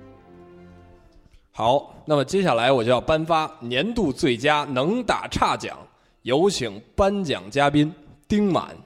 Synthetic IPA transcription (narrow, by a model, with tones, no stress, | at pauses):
xɑ˨˩˦ʊna˥˩mə˩t͡ɕjɛ˥ɕja˥˩la˧˥ɪwɔ˨˩t͡ɕo˥˧jɑ˥˩ʊpa˥nfa˥njɛ˧˥nt̪u˥˧t͡swe˥˩ɪt͡ɕja˥nɤ˧˥ŋt̪a̰˨˩ʈ͡ʂʰa˥˩t͡ɕjɑ̰˨˩˦ŋ | jo˧˥ʊt͡ɕʰi˨˩˥ŋpa˥nt͡ɕjɑ̰˨˩ŋt͡ɕja˥pi˥nt̪i˥ŋma̰˨˩˦n